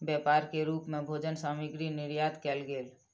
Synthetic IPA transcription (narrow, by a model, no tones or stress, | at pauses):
bjɛpaːɾkeɾuːpmẽbʱoːd͡ʒənsaːmiɡɾinɪɾjaːd̪kɛːlɡeːl